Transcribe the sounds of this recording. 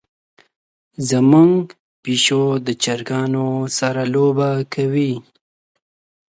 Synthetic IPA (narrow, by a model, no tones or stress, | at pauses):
zəmuŋɡ | piʃod̪ət͡ʃaɾɡɑnosaɾalobakʰawi